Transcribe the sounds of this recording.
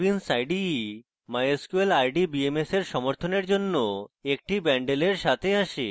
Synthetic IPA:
insajɖi | majoskuelajɖibiemeseɾʃɔmoɾt̪ʰoneɾd͡ʑonːoek̚ʈibɛɳɖeleɾʃat̪ʰeaʃḛ

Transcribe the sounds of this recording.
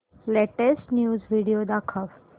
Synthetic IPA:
leʈesʈnjuːzʋiɽijod̪akʰəʋ

